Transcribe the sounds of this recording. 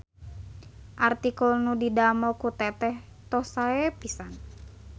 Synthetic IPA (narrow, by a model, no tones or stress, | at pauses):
ʔart̪ikulnudidamɔkut̪ɛt̪ɛh | t̪ɔhsaɛpisan